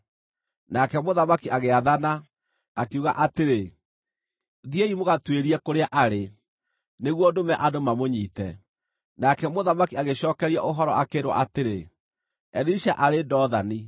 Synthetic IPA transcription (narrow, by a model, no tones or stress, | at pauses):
nakɛmoðamakiaɣeaðanaː | kuɣa̰ʔateɾe | ðieimoɣatweɾiɛkoɾeaʔaɾe | neɣwodomɛʔadomamoɲiːtɛ | nakɛmoðamakiaɣeɕɔːkɛɾiaʔoɦɔɾɔ̰ʔakeːɾwa̰ʔateɾe | ɛðiʃa̰ʔaɾedɔːðani